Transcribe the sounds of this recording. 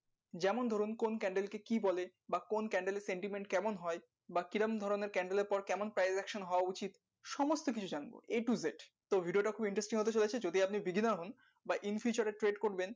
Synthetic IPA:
d͡ʑɛmond̪ʱoɾunkonkɛɳɖelkekibɔle | bakonkɛɳɖeleɾseɳʈimeɳʈkɛmonɦɔe | bakiɾamd̪ʱɔɾoneɾkɛɳɖeleɾpɔɾkɛmonpɾajzɛkʃonɦɔoaut͡ɕit̪ | ʃɔmost̪ok̬it͡ɕʰud͡ʑanbo̰eʈuzeʈt̪obʱiɖioʈakʰubiɳʈɾesʈiŋɦot̪et͡ɕolet͡ɕʰed͡ʑod̪ʱejapnibiɡinaɾɦun | baʔinfit͡ɕaɾeʈɾeɖkoɾben

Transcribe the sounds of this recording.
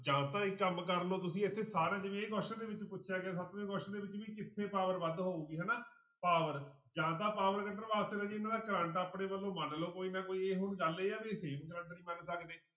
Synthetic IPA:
d͡ʒãːt̪ãːɪkːəmkəɾloːt̪ʊsĩːɪt̪ʰːeːsaːɾãːd͡ʒɪʋẽːeɡɔːʃə̃d̪eːʋɪt͡ʃpʊtːʃʰjaːɡaːsət̪ʋẽːɡɔːʃd̪eːʋɪt͡ʃʋiːkɪt̪ʰːeːpaːʋəɾʋəd̪ɦoːuːɡiːɦɛ̃ːnaː | paːʋəɾ | d͡ʒãːt̪̬ãːpaːʋəɾkəʈəɾʋaːst̪eːnãːd͡ʒeːɪnːãːd̪aːkəɾə̃ɳʈaːpnẽːʋəlːõːmənloːkoːiːnãːkoːieːɦʊnd͡ʒaleːaːt̪eːseːmkəɾə̃ɳʈnĩːmənsəkd̪eː

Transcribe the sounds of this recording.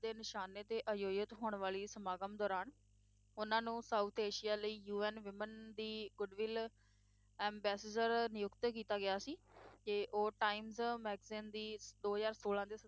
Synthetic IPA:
d̪eːnɪʃaːneːt̪eːʔəjoːjət̪ɦoːɳʋaːɭiːsəmaːɡəmd̪ɔːɾaːn | ʊnãːnũːsaːut̪ʰeːʃijaːləiːjuːɛːnʋɪmənd̪iːɡʊɖʋɪl | ɛ̃ːmbɛːsed͡ʒəɾnɪjʊkt̪kiːt̪aːɡɪjaːsiːkeʔoːʈaːɪmzmɛːɡzɪːnd̪iːd̪oːɦəzaːɾsoːlãːd̪eː

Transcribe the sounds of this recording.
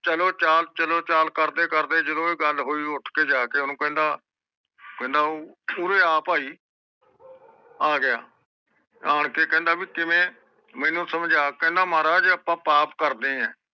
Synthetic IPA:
t͡ʃəloːt͡ʃaːlt͡ʃəloːt͡ʃaːlkəɾd̪eːkəɾd̪eːd͡ʒəloːiːɡəlɦoːiːʊʈʰkeːd͡ʒaːkeːʊnũːkɛ̃nd̪aː | kɛ̃nd̪aːuːɾeːaːpaːiː | aːɡɪja̰ː | aːɳkeːkɛ̃ːnd̪aːʋiːkɪmẽː | mɛ̃ːnũːsəmd͡ʒaːkɛ̃ːnd̪aːmaːɾaːd͡ʒəpãːpaːpkəɾd̪ẽːɛ̃ː

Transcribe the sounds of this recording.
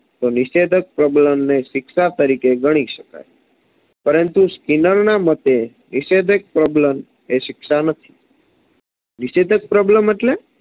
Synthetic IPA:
t̪onɪʃed̪ʱək̚pɾɔbləmneʃɪkʃat̪əɾikeɡəɽ̃iʃəka̰j | pəɾənt̪uskinəɾnamət̪e | nɪʃed̪ʱək̚pɾɔbləm | eʃɪkʃanət̪ʰi̥ | nɪʃed̪ʱək̚pɾɔbləmeʈle

